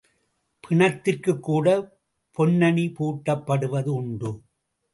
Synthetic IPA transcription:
pʰɪɳɐt̪ːɪrkɯkːuːɽɐ | pɔnːɐɳipuːʈːɐpːɐɽɯʋɐðɯʊɳɖɯ

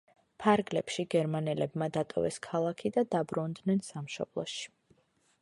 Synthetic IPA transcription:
pʰaɾɡlɛpʃiɡɛɾmanɛlɛbmad̪at̪ʼɔ̰vɛ̰skʰalˠakʰid̪ad̪abɾund̪nɛnsamʃɔ̰b̥lˠɔ̰ʃi̥

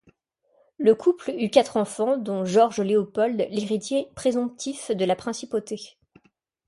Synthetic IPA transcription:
ləkʰuplykʲat̪χɑ̃fɑ̃d̪ɔ̃ʒɔʁʒəleopɔld̪leʁit̪jepχezɔ̃p̚t̪ʰifd̪əlapχɛ̃sipot̪e

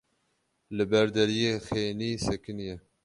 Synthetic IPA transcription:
lɨbɛɾd̪ɛɾijeːxeːniːsɛkɨnjɛ

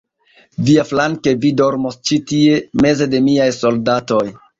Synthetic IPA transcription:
viaflaŋke̞vido̞ɾmost͡ʃitie̞me̞ze̞de̞miajso̞ldato̞j

